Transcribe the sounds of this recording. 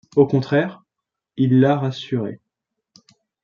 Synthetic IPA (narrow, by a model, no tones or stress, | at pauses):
okɔ̃t̪χɛʁ | ilːaʁasyʁḛ